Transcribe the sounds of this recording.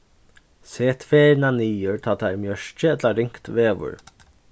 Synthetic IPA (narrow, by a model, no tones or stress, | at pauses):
seːt̪ʰʋeːɾnaniːəɹt̪ʰɑːt̪ʰæɾmjœʃt͡ʃəɛt̪laɾɪŋkt̪ʋeːʋʊ̰ɹ